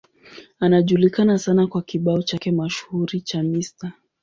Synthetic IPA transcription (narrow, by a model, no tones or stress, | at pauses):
anaʄulikanasanakwakiɓaɔt͡ʃakɛmaʃu̥huɾit͡ʃamista